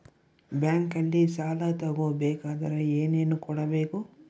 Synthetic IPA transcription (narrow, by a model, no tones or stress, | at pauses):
bjaːŋkɐlːisaːlat̪ɐɡoːbɛːkaːd̪ɐɾeeːne̞ːnukɔɽɐbeːku